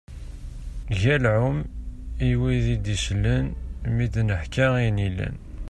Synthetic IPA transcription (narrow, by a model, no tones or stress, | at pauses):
ʝælʕʊmiwiðid̪iʃlːənmid̪nəħkæʁinilæ̰n